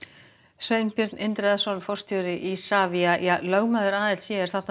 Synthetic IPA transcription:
sveːjnpɪɾ̥t̪nʔɪnt̪ɾɛðasɔnfɔr̥st̪jœwɾɪʔisaːviajalœːɣmaːðʏɾaːðɪlt̪sjɛɛɾ̥θaht̪n

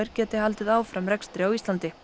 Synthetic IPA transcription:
ɪɾ̥cɛːt̪ɪhalt̪ɪðaːwfɾamɾɛkst̪ɾɪawist̪lant̪ɪ

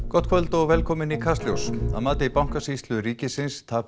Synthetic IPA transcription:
kɔt̪kʰvœlt̪ɔɣvɛlkʰɔːmɪnikʰast̪ljowsa̰ðmaːt̪ɪipawŋ̥kasist̪lʏɾiːcɪsɪnst̪ʰaː

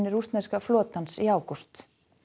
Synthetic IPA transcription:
nːɪɾust̪nɛskaflɔːt̪ansiaːwkɔst̪

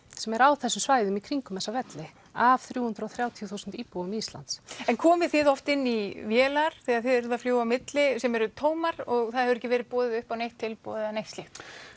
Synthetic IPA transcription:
sɛmɛɾawθɛsːʏmsvaːjðʏmikʰɾiŋkʏmɛsːavɛt̪lɪ | av̥θɾjuːhʏnt̪ɾawθɾjaːwt̪ʰijuθuːsʏnt̪iːpuɣʏmist̪la̰nt̪sɛnkʰɔːmɪθɪðɔft̪ɪnːivjɛːlaɾ̥θɛɣaðθɪðɛɾʏðafljoːwamɪt̪lɪsɛmɛɾʏt̪ʰoːwmaɾ̥ɔɣθaðɛvɾɛcːɪvɛːɾɪðpɔːðɪʏhpawnejht̪ʰːɪlpɔ̰ːðɪðanejht̪stlɪxt̪

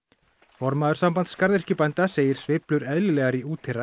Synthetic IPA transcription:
fɔɾmaːðʏ̥ɾsampant̪skaɾðɪr̥cɪpajnt̪aseːjɪɾ̥svɪplʏɾɛðlɪlɛːɣaɾiuːt̪ʰɪra

